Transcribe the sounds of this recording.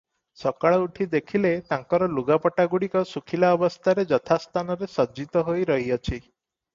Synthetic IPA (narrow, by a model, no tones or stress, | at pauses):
sɔkaɭɔuʈʰid̪ekʰilet̪aŋkɔɾɔluɡapɔʈaɡuɽikɔsukʰilaɔbɔst̪ʰaɾed͡ʒɔt̪ʰast̪ʰanɔɾesɔd͡ʒit̪ɔɦojɾɔɦiɔt͡ʃʰi